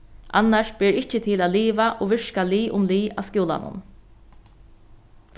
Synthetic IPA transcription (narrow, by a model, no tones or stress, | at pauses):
ʔa̰nːaʂb̥ɛːɾɪt͡ʃət̪ʰɪlaːd̪liːʋaʔoʋɪʂkaliːʔʊ̰mliːa̰skjuːla̰nʊ̰n